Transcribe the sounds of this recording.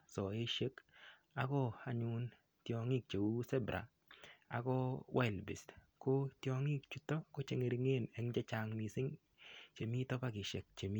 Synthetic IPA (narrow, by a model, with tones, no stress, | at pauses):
sɔ˨e˦ʃe˦k | a˦kɔ˦a˨ɲʊ˦n | tjɔ˨ŋi˦k̚t͡ʃe˨wu˦sɛ˦bɾʔa̰˨ | a̰˨kɔ˦wʔa˦ɪ˨lbɪ˨stko˦tjɔ˧ŋi˦k̚t͡ʃu˦tɔ˦ko˦t͡ʃe˨ŋe˨ɾi˨ŋe˦˨nɛ˨ŋd͡ʒe˦t͡ʃa˨ŋmi˨sɪ˦ŋ | t͡ʃe˨mi˦tɔ˦pa˦kɪ˨ʃɛ˨k̚t͡ʃe˨mi˦